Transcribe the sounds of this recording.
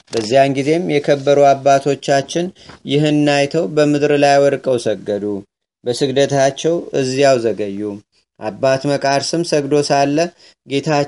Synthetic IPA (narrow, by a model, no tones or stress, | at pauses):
b̥əzːijaŋɡize̞mjɛkʰəbːəɾuabːat̪ʰo̞t͡ʃːat͡ʃːɪnjɪɦɨnːajt̪ʰəwbəmɨd̪ɾlajwɔɾkʼəwsəɡːəd̪u | bəsɨɡd̪ət̪ʰat͡ʃːɛwɨzːijawzəɡəjːu | ʔabːat̪məkʼaɾsɨmsəɡd̪o̞salːə | ɡe̞t̪ʰa